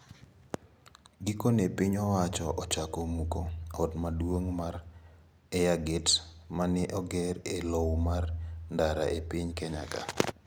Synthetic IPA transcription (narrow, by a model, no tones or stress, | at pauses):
ɡikonepiɲɔwat͡ʃɔʔɔt͡ʃakomukoɔtmadwoŋmaɾ | ɛjaɡɪtmanɪʔɔɡɛɾelowmarndaɾaʔepiɲkɛɲa̰ka̰